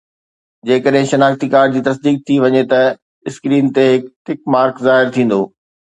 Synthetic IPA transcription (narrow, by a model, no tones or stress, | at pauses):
d͡ʑeːkəɗɦɪ̃ʃɐnaːxt̪ikaːɾɖd͡ʑiːt̪ɐs̬d̪iːk̚t̪ʰiʋɐɲet̪ɐ | ɪskɾiːnt̪eɦɪkʈɪkmaːɾkzaːɦɪɾt̪ʰĩːn̆d̪oː